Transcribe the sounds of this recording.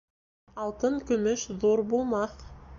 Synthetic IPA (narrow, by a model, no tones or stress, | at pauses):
ɑlˠt̪əɴkʲʰɵmɪʃðoɾbolˠmɑq